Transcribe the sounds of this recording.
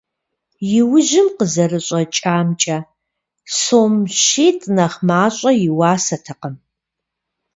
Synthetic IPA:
jɪwʊʒɪmqəzɐrɨɕʼɐt͡ʃʼaːmt͡ʃʼɐ | soːmɕiːtʼnɐχmaːɕʼɐjɪwaːsɐtʰɐqəm

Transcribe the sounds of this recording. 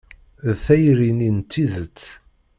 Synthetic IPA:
ðθæjɾinint̪ːiðət͡sː

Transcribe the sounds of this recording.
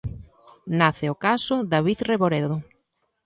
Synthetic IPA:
naθeokasoðaβiθreβoɾeðo

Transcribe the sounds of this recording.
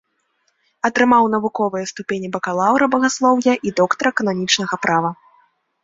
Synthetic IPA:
ɐt̪ɾɨmawnɐvukɔvɨjɐst̪upʲenʲibɐkalˠawɾɐbɐɣaslˠɔwjɐʔid̪ɔkt̪ɐɾɛkɐnamʲit͡ʂnɐɣɐpɾavɐ

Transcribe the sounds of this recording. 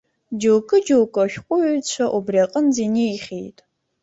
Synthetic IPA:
d͡ʒowkʼɨd͡ʒowkʷʼɔʃʷqʷʼʊt͡ɕʷʰɐʔɔbrɐqʼənziːniːχeːtʼ

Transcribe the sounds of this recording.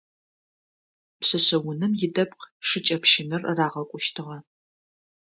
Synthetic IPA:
pɕɐɕɐwʊnɨmjɪdɐp̚qʂɨt͡ʃʼɐpʰʃɪnɨrraːʁɐkʷʼʊʃtʰɨʁɐ

